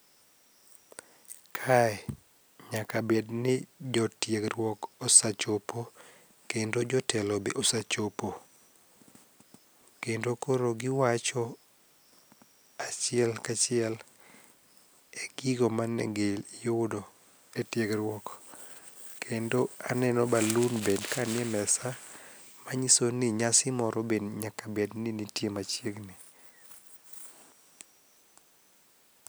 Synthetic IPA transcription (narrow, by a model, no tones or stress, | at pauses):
kʰaɛ | ɲakabednɪd͡ʒɔtjeɡɾwɔkɔsat͡ʃopo | kendod͡ʒɔtɛlobeʔosat͡ʃopo | kendokoɾoɡɪwat͡ʃɔ | at͡ʃɪɛlkat͡ʃɪɛl | eɡiɡomanɛ̰ɡeljodo | etjeɡɾwɔk | kʰendoanɛnɔbalunbedkanɪɛmɛsa | maɲisoniɲasɪmɔɾʔɔbedɲakabedninitjemat͡ʃjeɡni